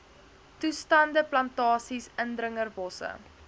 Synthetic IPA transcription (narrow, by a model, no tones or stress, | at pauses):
tustɐndəplɐntɑːsisəndrəŋərvɔsə̰